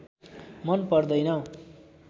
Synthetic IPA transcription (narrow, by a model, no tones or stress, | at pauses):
mʌnpʌrd̪ʌjnʌ